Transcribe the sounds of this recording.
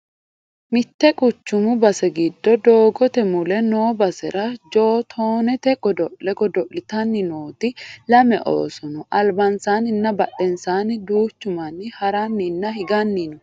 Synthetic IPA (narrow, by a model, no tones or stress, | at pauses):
mɪt̪ːɛkʼʊt͡ʃːʊmʊbɐsɛɡɪd̪ːɔd̪o̞ːɡɔt̪ɛmʊlɛnoːbɐsɛ̰ɾɐd͡ʒoːt̪ʰoːnɛt̪ɛɡɔd̪ɔʔɛɡɔd̪ɔʔɪt̪ɐnːɪnoːt̪ɪlɐmɛʔo̰ːsɔnɔʔɐlbɐnsaːnɪnːɐbɐɗɛnsaːnɪd̪uːt͡ʃːʊmɐnːɪhɐɾɐnːɪnːɐhɪɡɐnːinʊ